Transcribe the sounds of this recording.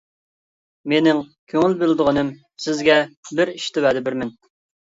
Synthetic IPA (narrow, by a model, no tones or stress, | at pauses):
menɪŋkʲʰøŋɪlbɪld̪ɨʁənɨm | sɪzɡʲɛbɪɾiʃt̪ɪwɛd̪ɪbɪɾmɪn